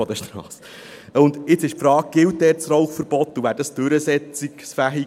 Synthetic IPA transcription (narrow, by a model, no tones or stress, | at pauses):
ɔd̥̪əʃt̪ɾɑːs | ʊnd̪ɪt͡sɪʃpfɾɑːk̚ɡ̥ɪwt̚dɛːɾt͡srɔlχfəɾb̥ɔtːuvæːɾd̥ɑsd̥ʉɾəsɛt͡siksfæɦi